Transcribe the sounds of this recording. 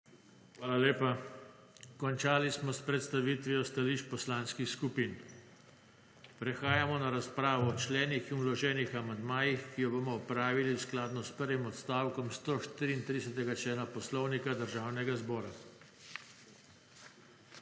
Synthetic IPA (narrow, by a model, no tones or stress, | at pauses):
xʋaːlaleːpa | kɔnt͡ʃaːlismɔspɾɛt̪st̪aʋit̪ʋijɔst̪aliːʃpɔslaːnskixskupiːn | pɾɛxaːjamɔnaɾaspɾaːʋɔːt͡ʃlɛːnixinulɔʒɛːnixamand̪maːjixkijɔbomɔɔpɾaːʋilisklaːd̪nɔspəɾʋimɔt̪st̪aːwkɔmst̪oʃt̪iɾiːnt̪ɾid̪ɛsɛt̪ɛɡat͡ʃlɛːnapɔslɔwnikad̪əɾʒaːwnɛɡazbɔːɾa